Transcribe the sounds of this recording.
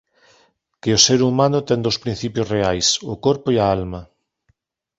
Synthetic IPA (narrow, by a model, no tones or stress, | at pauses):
kɪʊseɾumanʊt̪ɛŋd̪owspɾin̟θipjosreajsʊkoɾpʊiɐalmɐ